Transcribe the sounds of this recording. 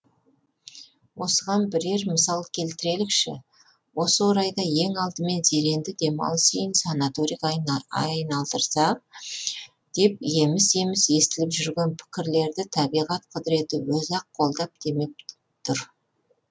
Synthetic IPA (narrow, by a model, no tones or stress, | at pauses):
wo̞səʁɑnbɪɾe̞ɾməsɑlˠkʲʰe̞lt̪ɪɾe̞lɪkʃɪ̰ | wo̞səwoɾɑjd̪ɑje̞ŋɑlˠd̪əme̞nze̞ɾe̞nd̪ɪd̪e̞mɑ̰lˠsejɪnsɑnat̪oɾijkjɑjnɑlˠd̪əɾsɑq̚ | d̪̥e̞p̚je̞mɪse̞mɪse̞st̪ɪlɪpʒʏɾɡʲe̞npʰɪ̥kʲɪɾle̞ɾd̪ɪt̪ʰɑbijʁɑt̪qʰʊd̪əɾe̞t̪ɪwɵzɑqʰːo̞lˠd̪ɑp̚d̪̥e̞me̞k̚ | t̪ʰʊɾ